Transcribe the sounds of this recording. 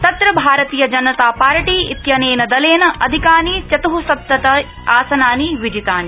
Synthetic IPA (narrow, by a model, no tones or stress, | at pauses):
t̪ɐt̪ɾɐbʱaːɾɐt̪iːjɐd͡ʒɐnɐt̪aːpaːɾɐʈiːḭt̪jɐneːnɐd̪ɐleːnɐʔɐd̪ʱikaːniːt͡ʃɐt̪uɦusɐt̪ːɐt̪ɐ | aːsɐnaːniʋid͡ʒit̪aːni